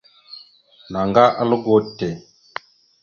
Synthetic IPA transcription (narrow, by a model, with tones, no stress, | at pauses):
na˨ŋɡa˦ʔa˦lu˦ɡo˦te˨